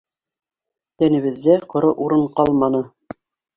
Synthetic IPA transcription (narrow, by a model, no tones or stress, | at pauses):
t̪ænɘ̆βɘ̆ðːæqŏɾɤʔuɾɤɴqɑlˠmɑnɤ